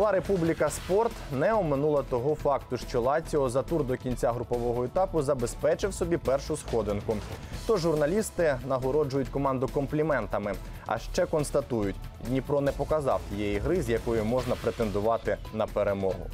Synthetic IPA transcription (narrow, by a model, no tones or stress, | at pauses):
lˠɑɾe̞publʲikɐspɔrt̪nɛɔmɪnulˠɐt̪ɔɦɔfɑkt̪ʊʃt͡ʃɔlˠɑt͡sʲɔɔzɐt̪urd̪ɔkʲinʲt͡sʲaɦɾʊpɔʋɔɦɔet̪ɑpʊzɐbe̞spɛt͡ʃɪwsɔbʲipɛrʃʊsxɔd̪ɪnkʊt̪ɔʒːʊrnɐlʲist̪ɪnɐɦɔɾɔd͡ʒʊjʊtʲkɔmɑnd̪ʊkɔmplʲimɛnt̪ɐmɪ | ɐ̰ʃt͡ʃɛkɔnst̪ɐt̪ujʊtʲnʲipɾɔnɛpɔkɐzɑ̰wt̪ʲijɛjiɦɾɪzjɐkɔjʊmɔʒnɐpɾet̪e̞nd̪ʊʋɑt̪ɪnɐpeɾemɔɦʊ̰